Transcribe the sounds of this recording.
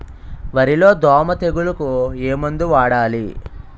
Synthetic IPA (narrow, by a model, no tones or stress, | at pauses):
ʋɐɾilo̞ːd̪ɔːmɐt̪e̞ɡulɐkueːmond̪uʋaːɽaːli